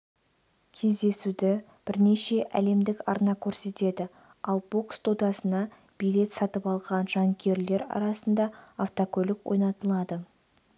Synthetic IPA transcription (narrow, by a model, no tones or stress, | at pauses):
kʲʰe̞zd̪e̞sud̪ɪ | b̥ɪɾne̞ʃe̞ʔæ̰le̞md̪ɪkɑɾnɑkʲʰɵɾse̞t̪e̞d̪ɪ | ɑlˠbo̞kst̪ʰod̪ɑsənɑ | b̥ijle̞t̪sɑt̪əpɑlˠʁɑnʒɑŋkʲʰe̞ɾle̞ɾɑ̰ɾɑsənd̪ɑːft̪okʲʰɵlɪkwojnɑt̪əlˠɑd̪ə